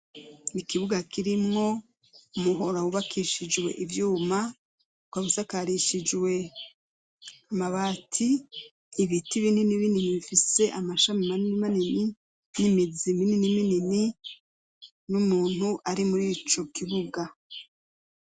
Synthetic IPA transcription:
nikiβuɡakiɾimŋo̞ | umuɦo̞ɾawuβakʰiʃid͡ʒwe̞̰ʔivjuːma | kwaβusakaɾiʃid͡ʒwe̞ | amaβaːtʰiː | βitiβindiniβinimiβifise̞ʔamaʃamimaniimanini | nimizimininiminini | numuːn̥huʔaɾimuɾiːt͡ʃo̞kiβuɡa

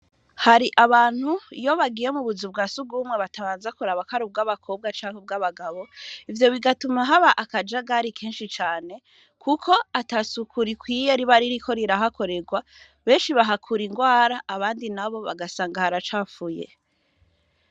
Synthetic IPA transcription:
haɾiʔaβaːn̥hujo̞βaɡiːje̞muβuzubɡaːsuɡuːmŋe̞βataβaːnzakuɾaβakaɾub̚ɡaβakʰo̞ːb̚ɡat͡ʃaːŋheb̚ɡaβaɡaβo̞ivjo̞βiɡatumaɦaβaʔakad͡ʒaɡaɾikʰeːnʃit͡ʃaːne̞ | kʰukʰo̞atasukʰuɾikwiːjeɾiβaɾiɾikʰo̞ɾiɾaɦako̞ɾe̞ɡwa | βe̞ːnʃiβaɦakʰuɾiŋɡwaːɾaʔːβaːndinaβo̞βa̰ɡasaːŋɡahaɾat͡ʃaːfujḛ

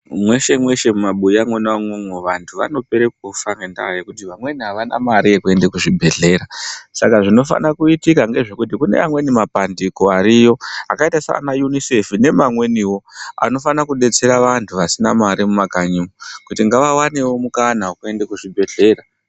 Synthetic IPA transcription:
mwe̞ʃe̞mwe̞ʃe̞mumaɓujamwenaamwomwoʋantʰuʋa̰no̞pe̞ɾek̚ufaŋɡenda̰ajekutiʋamwe̞niɦaʋana̰maɾiekue̞ndekuʐibʱe̞ɮe̞ɾasakaʐino̞fa̰nakuitikaŋɡe̞ʐe̞kutikune̞̰a̰mwe̞nimapandiko̞aɾijo̞a̰kaitasa̰najunise̞fine̞mamwe̞niwo̞a̰no̞fanakuɗe̞t͡se̞ɾaʋantʰuʋasinamaɾimumakaɲumukutiŋɡaʋawanewo̞mukanawokue̞ndekuʐibʱe̞ɮe̞ɾa

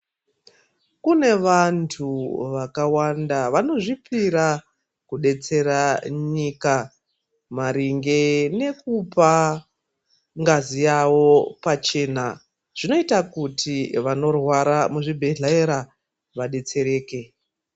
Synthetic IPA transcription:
kune̞ʋantʰuʋakawandaʋano̞ʐipiɾa | kuɗe̞t͡se̞ɾaɲika | maɾiŋɡe̞ne̞kupa | ŋɡazijawo̞pat͡ʃe̞na | ʐ̥ino̞itakutʰiʋano̞rwaɾamuʐibʱeɮaeɾa | ʋaɗe̞t͡se̞ɾe̞ːke̞

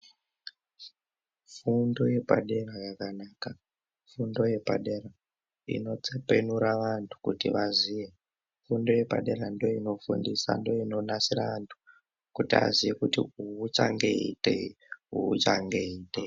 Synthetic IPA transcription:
fundo̞je̞pa̰ɗe̞rajakanaːka | fundo̞je̞pa̰ɗe̞ra | ḭno̞t͡se̞pe̞nuɾaʋantʰu̥kutḭʋaziʋe | fundo̞je̞pa̰ɗe̞ɾando̞ino̞fṵndisa̰ndo̞ino̞nasiraʋantʰu̥ | kutia̰ziʋekutiuut͡ʃaŋɡeitḛ | ɦuṵt͡ʃa̰ŋɡe̞iːte

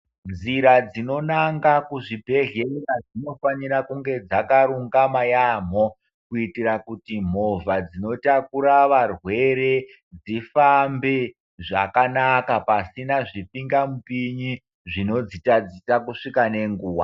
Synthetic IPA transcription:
nd͡ziɾad͡zino̞naŋɡakuʐibʱe̞ɦeirad͡zino̞faɲiɾakuŋɡe̞d͡zakaɾuŋɡamajam̤o | kuitiɾakutim̤o̞vad͡zino̞takuɾaʋarwe̞ɾe̞ | d͡zifambe | ʐakanakapasinaʐipiŋɡamupiɲi | ʐino̞d͡zitad͡zisakuʂikane̞ŋɡuːwa̰

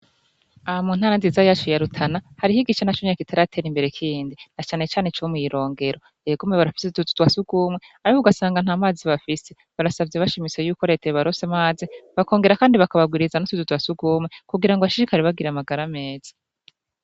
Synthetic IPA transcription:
aβamuːnhaːɾanzizajaːt͡ʃujaɾutʰanahaɾihiɡiʃanat͡ʃumiɲakitʰaɾatʰe̞ɾimbe̞ɾe̞kʰiɾiːndinat͡ʃaːne̞t͡ʃaːne̞t͡ʃomujiɾo̞ːŋɡe̞ɾo̞ | eːɡomŋeβaɾafi̥setutu̥twasuɡ̥uːmwe̞ | aɾikouɡasaːŋɡan̥haːmaːziβafise̞ | βaɾasavjeβaʃimit͡sejuːko̞ɾe̞ːteɾeβaɾosemaːziβakoːŋɡe̞ɾakaːndiβakaβabɡiːɾizanosututwasuɡuːmwe̞kuɡiɾaŋɡoβaʃiɾikaɾiβabɡiɾamaɡaɾame̞ːz̥ḁ

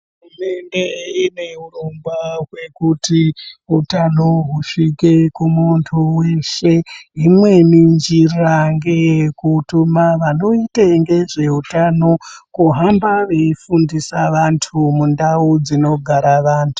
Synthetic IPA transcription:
ɦɦuume̞nde̞ine̞urumbaɦwe̞kutiɦutanoɦuʂike̞kumuntʰuwe̞ʃe̞imwe̞nind͡ʒiraŋɡe̞kutumaʋano̞iteŋɡe̞ʐe̞utano̞kuɦambaʋe̞ifundisaʋantʰumundaud͡zino̞ɡʱaɾaʋaːntʰu̥

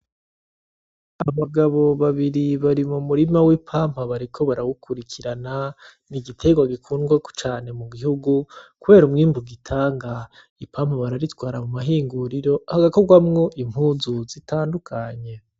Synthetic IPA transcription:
aβaɡaβo̞βaβiɾiβaɾimumuɾimawipʰaːm̥aβaɾikʰo̞βaɾawukʰuɾikʰiɾana | niɡitʰe̞ɡwaɡikʰuːnɡwako̥t͡ʃaːne̞muɡihuɡukuβe̞ːɾumŋiːmbuɡitʰaːŋɡa | ipʰam̥haβaɾaɾitɡwaːɾamumaɦiːŋɡuɾiɾo̞haɡako̞ɡwamŋo̞ʔim̥huːzuzitʰaːndukʰaɲe̞

